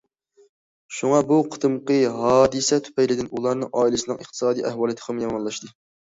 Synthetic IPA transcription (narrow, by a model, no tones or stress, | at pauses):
ʃuŋɑbuqʰə̥t̪ɨmqəɦɑːd̪ɨsɛt̪ʰy̥pɛjlɪd̪ɪnulˠɑɾnɨŋɑːilɨsɨnɨŋəχt̪ʰɨ̥sɑːd̪ijʔɛhwɑːlˠit̪ʰqʰəmjɑmɑnlˠɑʃt̪ɨ